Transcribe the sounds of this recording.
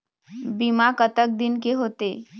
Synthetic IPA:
bimakət̪ək̚d̪ɪnkeɦoːt̪e

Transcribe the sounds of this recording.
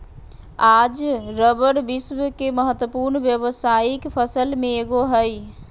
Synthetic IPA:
ad͡ʒɾəbəɽbiswəkeməɦət̪wəpuɾnbjəbəsaikpʰəsəlmeːɡoɦəj

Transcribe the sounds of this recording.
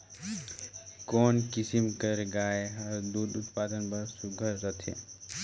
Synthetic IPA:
konkisimkəɾɡaeəɾd̪ud̪ut̪pad̪ənpəɾsuɡʱəɾɾət̪ʰḛ

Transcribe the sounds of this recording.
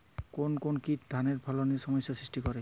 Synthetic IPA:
konkonkitd̪ʱaneɹpʰɔlɔnisɔmɔsjasɹisʈikɔɹɛ

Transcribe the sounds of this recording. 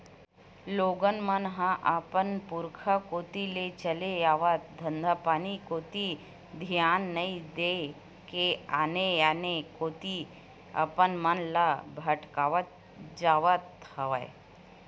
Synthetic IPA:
loːɡənmɐnɦãʔapənpuɾkʰakoːt̪ilet͡ʃəlejaːʋət̪̚d̪ʱənd̪ʱapaːnikoːt̪i | d̪ʱijaːnːɐid̪e | keaːnejaːnekoːt̪i | ɐ̰pənmɐnlabʱɐʈkaʋət̪̚ | d͡ʒaːʋət̪hɐʋaj

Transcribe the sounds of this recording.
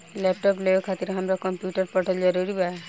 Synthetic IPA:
lep̚ʈɔplekʰat̪iɾɦamɾakɔmpjuʈɔɾpɔʈʰɔld͡ʒɔɾuɾiba

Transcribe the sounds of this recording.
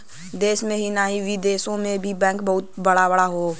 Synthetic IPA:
d̪eːsmẽɦinaɦiʋid̪eːsõmẽbʱibɛ̃ːŋkbɐɦʊt̪̚bəɽabəɽaɦoː

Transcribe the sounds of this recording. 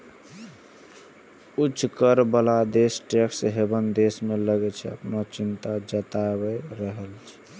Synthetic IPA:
ut͡ʃʰːkəɾbəlad̪esʈeksɦebənd̪esmeləɡɛt͡ʃʰɛə̰pnat͡ʃint̪ad͡ʒət̪abəɾəɦəlt͡ʃʰɛ̥

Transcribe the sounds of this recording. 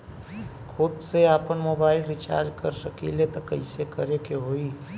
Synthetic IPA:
kʰʊd̪seaːpənmoːbaːɪlɾɪt͡ʃa̰ːɾd͡ʒkəɾsəkilet̪okəɪsekəɾekeɦoːi

